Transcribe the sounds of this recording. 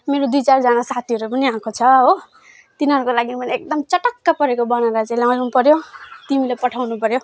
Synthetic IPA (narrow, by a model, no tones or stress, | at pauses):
meɾod̪ujt͡sard͡zanasat̪ʰiʌɾupʌniãkʰot͡sʰʌɦo | t̪inɦʌɾukolaɡimʌniek̚d̪ʌmt͡sʌʈʌkːapʌɾekobañalat͡sãĩlãŋlnupʌɾjot̪imilepʌʈʰawnupʌɾjo